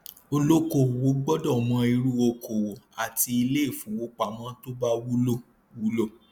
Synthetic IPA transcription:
o˧lo˦ko˦˨wo˨˦ɡ͡bɔ˦dɔ˦˨mɔ̃˨˧˦i˧ɾu˦wo˧ko˨wo˨a˨ti˧i˧le˦e˦˨fũ˨wo˨˦k͡pa˨mã˨˦to˦ba˦wu˦lo˦˨ | wu˦lo˦˨

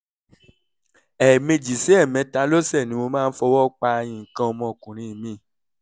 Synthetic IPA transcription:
ɛ˨mẽ˧d͡ʒi˨si˨˦ɛ˦˨mɛ̃˨˧˦ta˧lo˦sɛ˦˨nĩ˨˦mo˧mãː˦˧n̩˦fɔ˧wɔ˦k͡pa˧jĩ˨kã˧˦ɔ˧mɔ̃˧˨kũ˨ɾ̃ĩ˨˦˨mĩ˨˧˦

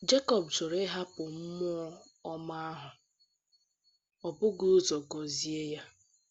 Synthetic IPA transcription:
d͡ʒe˦kɔ˨b̚t͡ʃʊ˨ɾe˦ɦa˦pʊ˨m̩˦mʊ˦ɔ˦ | ɔ˦ma˦a˦ɦʊ˨ | ɔ˨bʊ˦ɡu˦zɔ˨ɡɔ˨zi˦e˦ja˦

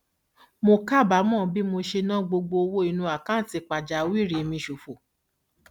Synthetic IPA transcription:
mo˧ka˦˨ba˨˦mɔ̃ː˦˨bi˦mo˧ʃe˧nã˦ɡ͡bo˧ɡ͡bo˧o˧wo˦i˨˧nũ˧a˨kã˦n̩˦˨ti˨˧k͡pa˨d͡ʒa˨˦wi˦˨ɾi˨˧mĩ˧ʃu˨fo˨

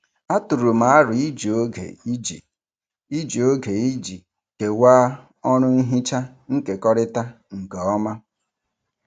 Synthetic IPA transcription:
a˦tʊ˨ɾu˨ma˨a˦ɾʊ˨i˦d͡ʒi˨o˦ɡḛ˨i˦d͡ʒḭ˨ | i˦d͡ʒi˨o˦ɡe˨i˦d͡ʒi˨ | ke˨waː˦ | ɔ˦ɾʊ˦n̩˦ɦi˦t͡ʃa˦ | ŋ̩˦ke˨kɔ˦ɾɪ˦ta˦ | ŋ̩˨kɔ˦ma˦

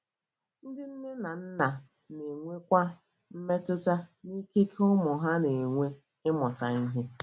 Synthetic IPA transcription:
n̩˦dɪ˦n̩˦nɪ˦na˨n̩˦na˨ | ne˨ŋʷe˦kʷa˦ | m̩˦me˦tʊ˦ta˦ni˦ke˦ke˦ʊ˦mʊ˨ɦa˦ne˨ŋʷe˦ | ɪ˦mɔ˨ta˨i˦ɦe˦

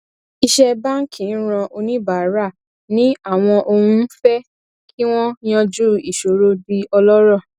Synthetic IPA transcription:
i˧ʃɛ˧ba˦ŋ̩˦kʰĩ˨n̩˦ɾ̃ɔ̃˧ʔo˧nĩ˦ba˨˦ɾa˦˨ | nĩ˦a˦˨w̃ɔ̃˧ʔo˧hũ˦fɛ˦ | kʰi˦w̃ɔ̃˦j̃ã˦d͡ʒu˦i˦˨ʃo˨˦ɾo˦bi˧ɔ˧lɔ˦ɾɔ˦˨

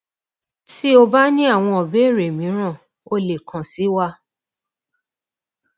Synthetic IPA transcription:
ti˦o˧ba˦nĩ˦a˦˨w̃ɔ̃˧ɔ˨be˨˦˨ɾe˨mĩ˨˦ɾ̃ã˦˨ | o˧le˨kʰã˨si˨˦wa˦

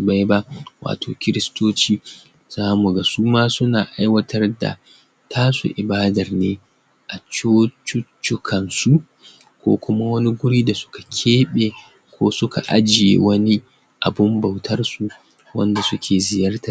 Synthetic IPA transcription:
ba˦jba˦wa̰ː˨tʰoː˨kʲɪ˦ɾɪ˦stoː˦t͡ʃiː˦ | z̥aː˦mu˨ɡa˨suː˦maː˦sʊ˦naː˨ʔa˦jwɐ˦tʰɐ˦rda̰˨ | tʰaː˦sṵ˨ʔɪ˨baː˦dɐ˨rneː˦ | ʔa˨t͡ʃoː˦t͡ʃʊ˦t͡ʃːʊ˦kʰɐ˨nsu˦ | kʷo̰ː˦kʷʊ˦ma˦wɐ˦ni˦ɡʷʊ˦ɾiː˦da˨sʊ̥˦kḁ˨kʲʰeː˦ɓeː˨ | kʷoː˦sʊ˦kʰa̰˨ʔa˦d͡ʒɪ˨jḛ˨wɐ˦ni˦ | ʔa˨bʊ˦mba˨wtʰɐ˦rsu˨ | wɐ̰˦nda˨sʊ˦kʲʰeː˨zɪ˨jɐ˦rta˨

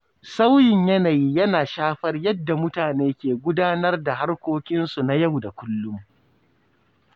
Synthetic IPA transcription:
sa˦wjɪ˨ɲjɐ˦na˨jiː˦jɐ˦naː˨ʃaː˦ɸɐ˦rjɐ˦dːa˨mʊ˦taː˨neː˦kʲeː˨ɡʷʊ˦daː˦nɐ˦rda˨ha˦rkʷoː˦kʲɪ˦nsu˨na˦ja˦˨wda˨kʷʊ˦lːʊ˦m

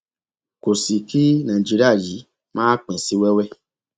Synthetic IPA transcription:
ko˨si˨ki˦nã˨d͡ʒi˦ɾi˦a˦˨ji˨˦ | mãː˦k͡pɛ̃˨si˧˦wɛ˦wɛ˦˨

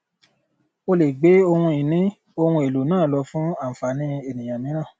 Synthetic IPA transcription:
o˧le˨ɡ͡be˨˦o˧hũ˧i˨nĩ˨˦ | o˧hũ˧e˨lo˨nãː˦˨lɔ˧fũ˨˦a˦˨m̩˨fa˨nĩ˧e˨nĩ˨j̃ã˨mĩ˨˦nã˦˨

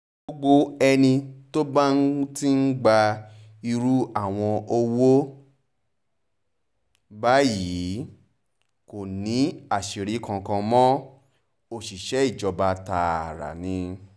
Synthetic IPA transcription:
ɡ͡bo˦ɡ͡bo˦ɛ˧nĩ˧to˦ba˦n̩˦ti˦n̩˦ɡ͡ba˧ | i˧ɾu˦a˦˨w̃ɔ̃˧o˧wo˦ | ba˦ji˨˦ | ko˨nĩ˨˦a˦˨ʃi˨ɾi˨˦kã˧kã˧mɔ̃˦ | o˨ʃi˨ʃɛ˨˦i˦˨d͡ʒɔ˧ba˧ta˧a˨ɾa̰˨nĩ˧˦

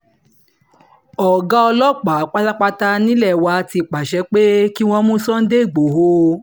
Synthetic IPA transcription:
ɔ˨ɡa˦ɔ˧lɔ˦k͡pa˨˦˨k͡pa˦ta˦k͡pa˧ta˧nĩ˦lɛ˦˨wa˧ti˧˨k͡pa˨ʃɛ˧k͡pe˦ki˦w̃ɔ̃˧˦mũ˦sɔ̃˦n̩˦de˦i˦˨ɡ͡bo˨ɦo˧˦

